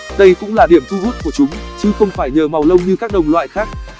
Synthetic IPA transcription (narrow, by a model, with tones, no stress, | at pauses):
ɗə˧jkʊ̰˧˥ŋ͡mlaː˨˩ɗi˧˩əmt̪ʰu˧zu˦˥t̚ku˧˩ət͡ɕʊ˨˦ŋ͡mt͡ɕi˨˦xə˧wŋ͡mfaː˧˩jɲəː˨˩ma˨˩wlə˧wŋ͡mɲɨ˧kaː˦˥k̚ɗə˨˩wŋ͡mlwa̰ː˧˨jxaː˦˥k̚